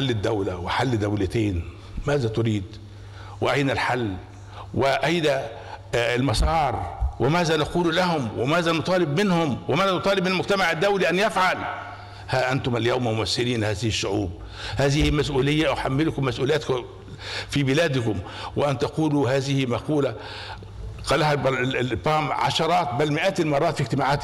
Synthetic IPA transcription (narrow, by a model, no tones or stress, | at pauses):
alːɪd̪ːæwlæwɪħalːd̪ːæwlɪt̪eːn | mæːzæt̪ʊɾiːd̪ | wɪʔajnælħalː | wɪʔæjdæ | lmɑsˤɑːɾˤwɪmæːzænɑquːlulæɦʊmwɪmæːzænʊt̪ˤɑːlɪbmɪnhʊmwmæːzænot̪ˤɑːlɪbmɪnlmʊɡt̪æmaʕɪd̪ːæwliʔænjæfʕal | haʔant̪ʊmæljawmælmʊmæsːɪɾiːnhaːzɪhɪʃːʊʕṵːb̚ | haːzɪhɪmæsʔuːlɪjːaʔwħamːɪlkʊmːæsʔuːlɪjæːt̪k | fibɪlæːd̪ɪkʊmwɪʔant̪ɑquːluhaːzɪhɪmaquːla | qɑːlːæhabbɑːmʕɑ̰ʃɑɾˤɑːt̪̚bælmɪʔæːt̪ɪlmɑrˤːɑːt̪fiɡt̪ɪmaːʕaːt̪